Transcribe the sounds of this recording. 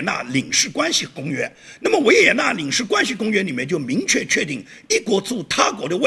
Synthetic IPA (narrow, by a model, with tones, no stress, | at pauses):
na̰˥˩li˨˩ŋʂɻ̩˥˩kwa˥nɕi˨˩kʊ˥ŋɥɛ˥nna˥˩mə˩wɔ˧˥jɛ˨˥jɛ˨˩na˥˩li˨˩ŋʂɻ̩˥˩kwa˥nɕi˨˧kʊ˥ŋɥɛ˥nli˨˩mɛ˥˧nt͡ɕjo˥˩ʊmi˧˥ŋt͡ɕʰɥɛ˥˧t͡ɕʰɥɛ˥˧t̪i˥˩ŋi˥˩kwɔ˧˥t͡su˥˩t̪ʰa˥kwɔ˧˥d̪ə˧wa˥